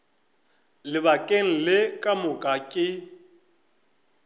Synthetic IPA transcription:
lɪbakʼeŋ̩lɪkʼamʊkʼakʼɪ

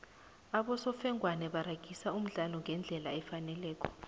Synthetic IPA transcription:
aɓɔsɔfɛŋʱwanɛɓaɾaɡ̥ʱisaum̩ɮalɔŋɡʱɛnd͡ɮʱɛlaɛfanɛlɛːkʰɔ̥

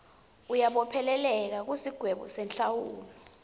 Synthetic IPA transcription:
ujaɓɔpʰɛlɛlɛk̬ak̬usiɡ̥ʱwɛɓɔ̰sɛnt͡ɬawuːlɔ

